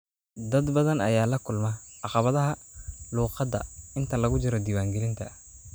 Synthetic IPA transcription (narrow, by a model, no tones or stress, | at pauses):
d̪ɐd̪bɐðɐnɐjaːlɐkʰʊlmɐʔɑqɑβɐðɐɦɐluːqɑd̪ɐ̰ɪnt̪ʰɐlɐɣʊt͡ʃɪɾɔd̪iːwaːŋɡɛlɪnt̪ʰɐ